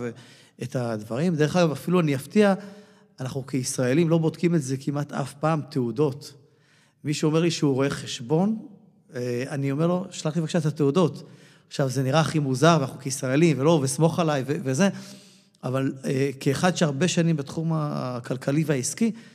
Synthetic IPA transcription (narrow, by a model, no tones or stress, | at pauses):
v | et̪ad̪vaʁimd̪e̞ʁχaɡavafiluanijaft̪ia | anaχnukeisʁae̞limlo̞bo̞d̪kimetze̞kimat̪a̰fpaːmt̪ʰeudo̞t | miʃeome̞ʁliʃeuʁo̞e̞χeʃbo̞n | anio̞me̞ʁlo̞ʃalaχt̪ivakʃatat̪eudo̞t | aχʃavze̞niʁaːχimuzaʁvanaχnukeisʁae̞limvelo̞vesmo̞χalajveveze̞ | avalekeːχad̪ʃeaʁbe̞ʃanimbet̪χuma̰kalkʰaliveaiski